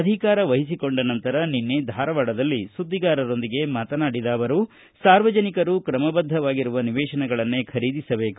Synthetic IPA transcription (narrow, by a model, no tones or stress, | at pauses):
ɐd̪ʱikaːɾɐʋɐɦis̬iko̞ɳɖɐnɐnt̪ɐɾɐninːed̪ʱaːɾɐʋaːɽɐd̪ɐlːisud̪ːiɡaːɾɐɾo̞nd̪iɡe̞maːt̪ɐnaːɽid̪aːʋɐɾu | saːɾʋɐd͡ʒɐnikɐɾukɾɐmɐbɐd̪ʱːɐʋaːɡiɾuʋɐniʋɛːʃɐnɛɡɐɭɐnːekʰɐɾiːd̪isɐbe̞ːku